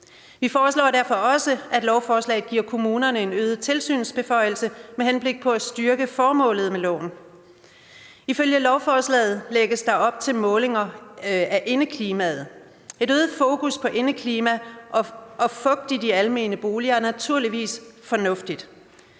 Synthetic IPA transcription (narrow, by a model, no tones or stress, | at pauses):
ʋifɒːslɒ̰ːd̥æɐfɒ̽ɒ̽səʔæd̥lɒʊfɒːslɛ̰ːð̩ɡ̥iɐ̰kʰo̝muːnɐnəe̝nøːðˠt͡sʰe̝lsy̰ːnsb̥e̝fɒ̽ɪ̰l̩səmehenb̥le̝ɡ̥̚pʰɒ̽æsd̥yɐɡ̥əfɒːmɔ̰̽ːlð̩ˠmelɔ̰ʊ̰n | iføljəlɒʊfɒːslɛ̰ːð̞̩ˠleɡ̥əsd̥ɑ̈ɒ̽b̥̚t͡sʰe̝lmɔ̽ːle̝ŋɐæʔe̝nəkʰliːmæð̞̩ˠ | e̝ɾøːð̩ˠfo̝ːkʰuspʰɒ̽ʔe̝nəkʰliːmæʔɒʔɒ̽fɔ̽ɡ̥̚d̥id̥iælme̝̰ːnəb̥o̝ːliɐnæt͡sʰuɐliʋḭːsfɒ̽nɔ̽fd̥id̥